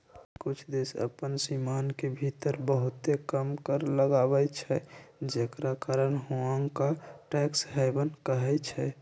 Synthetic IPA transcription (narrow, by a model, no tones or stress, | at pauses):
kʊt͡ʃʰd̪esə̰pənsimankebʱit̪əɾbəɦut̪ekəmkəɾləɡabɛt͡ʃʰɛd͡ʒekɾakaɾənɦoaŋkaʈɛksɦɛɪbənkəɦɛt͡ʃʰɛ